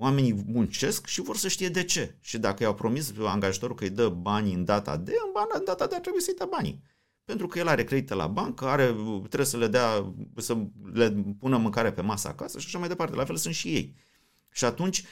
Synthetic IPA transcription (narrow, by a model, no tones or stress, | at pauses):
oame̞nimunt͡ʃe̞skʃivo̞rsəʃt̪ije̞d̪e̞t͡ʃe̞ʃid̪akəjawpɾo̞misa̰ŋɡaʒat̪o̞ɾukəjd̪əbanʲɨnd̪at̪a̰d̪e̞ɨnbanaɨnd̪at̪ad̪eat̪ɾebuje̞səjd̪abanḭ | pe̞nt̪ɾukəje̞laɾe̞kɾe̞d̪it̪əla̰bankəaɾe̞t̪ːɾewjesəled̪easəle̞punəmɨŋkaɾepe̞masə̰a̰kasəʃaʃamajd̪e̞part̪e̞lʔafe̞lsunt̪ʃije̞̰j | ʃiat̪unt͡ʃʲ